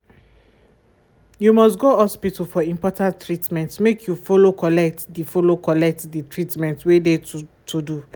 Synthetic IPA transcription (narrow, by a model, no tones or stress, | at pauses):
jumɔstɡohɔspitfɔĩmpɔtãntːɹitmɛ̃ntmekʰjufolokɔlɛk̚tdifolokʰɔlɛk̚tditʰɹitmɛ̃ntwedetʰudu